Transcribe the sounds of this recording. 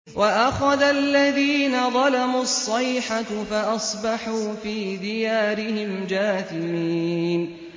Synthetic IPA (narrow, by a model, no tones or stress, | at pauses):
wʔaʔaxaðalːaðiːnaðˤɑlamuːɑsˤːɑjħafaʔɑsˤbɑħuːfiːd̪ɪjaːɾɪhɪmd͡ʒaːθɪmiːn